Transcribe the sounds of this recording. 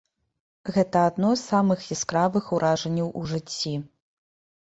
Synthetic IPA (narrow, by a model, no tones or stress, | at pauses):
ɣɛt̪ɐːd̪nɔsamɨxjɛskravɨxuɾʔaʐɐnʲːɐwʔuʐɨt͡sʲːi